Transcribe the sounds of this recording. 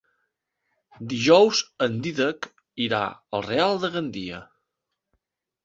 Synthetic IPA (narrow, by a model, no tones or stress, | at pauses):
d̪iʒɔwzənd̪iðək | iɾa̰əlˠrealˠd̪əɣənd̪iə̰